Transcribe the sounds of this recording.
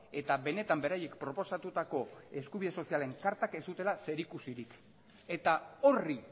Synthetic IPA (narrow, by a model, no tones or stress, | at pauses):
e̞t̪aβe̞ne̞t̪ambe̞ɾaje̞kpɾo̞po̞sat̪ut̪ako̞e̞skuβiðe̞so̞siale̞ŋkaɾt̪ake̞st̪ut̪e̞lase̞ɾikusiɾik | e̞t̪ao̞ri